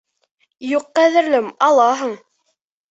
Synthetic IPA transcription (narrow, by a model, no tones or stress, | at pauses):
juqːæðɘ̆ɾlɘmɑlˠɑɦɤɴ